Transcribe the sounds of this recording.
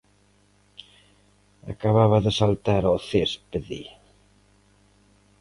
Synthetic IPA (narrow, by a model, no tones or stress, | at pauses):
a̰kaβaβaðəsalt̪aɾɔθespði